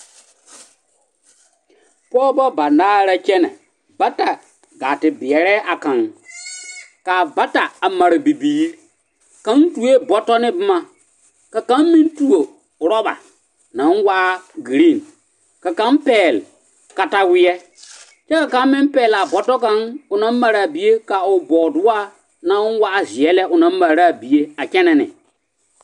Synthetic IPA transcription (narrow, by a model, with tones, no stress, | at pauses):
pɔː˦bɔ˦ba˨naː˦ɾa˦t͡ʃɛ˦nɛ̰˨ | ba˦ta˨ | ɡaː˨tɪ˨bɪ˨ɛ˨ɾɛː˦ʔa˨ka˨ŋ | ka˨ba˦ta˨a˨ma˨ɾɪ˨bi˨biː˨ɾ | ka˨˦n˦tu˨e˦bɔ˨tɔ˦nɪ˦bɪ˦ma˨ | ka˨ka˦mmɪ̃˦ntu˦o˨ | ɾɔ˦ba̰˨ | nã˨˦nwa˦ɡi˨ɾi˦˨n | ka˨ka˦mpɛː˨l | ka˨ta˨wɪ˦ɛ˦ | t͡ʃɛ˦ka˨ka˦mmɪ˦mpɛː˨la˨bɔ˨tɔ˦ka˦ŋʊ˨nã˦m˦ma˨ɾa˨bi˨je˦ka˨ʊ˨bɔ˨dʊ˦a˦ | nã˨˦wa˦ʔzɪ˨ɛ˦lɛ˦ʔʊ˨nã˦m˦ma˨ɾa˦˨bi˨je˦a˨kɛ˦nɛ˨nɪ̰˨